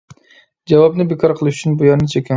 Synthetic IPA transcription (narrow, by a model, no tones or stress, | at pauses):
d͡ʒɛwɑbnɨbekʰɑɾqʰəlˠɨʃyt͡ʃʰynbujɑɾnɨt͡ʃʰekʲʰːɛ